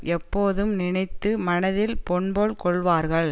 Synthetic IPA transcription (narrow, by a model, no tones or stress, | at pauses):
ɛpːoːðɯmnɪɳɐɪt̪ːɯmɐnɐðɪlpɔɳboːɭkɔɭʋaːɾɣɐɭ